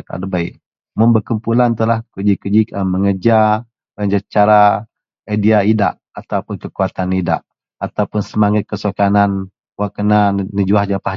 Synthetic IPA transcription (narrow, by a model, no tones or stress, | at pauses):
ka̰dəbaḭʔ | məmbəkumpulant̪əlahkəd͡ʒikəd͡ʒiəməŋəd͡ʒa | məŋəd͡ʒat͡ʃaɾa | adiaida̰ʔ | at̪awpʊnkəkuat̪anida̰ʔ | at̪awpʊnsəmaŋat̪̚kəsokanan | wakənanəd͡ʒuahd͡ʒapa